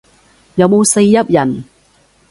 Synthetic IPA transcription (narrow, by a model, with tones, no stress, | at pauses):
jɐ˨wmo˨˧wse˧jːɐ˥p̚jɐ˨˩n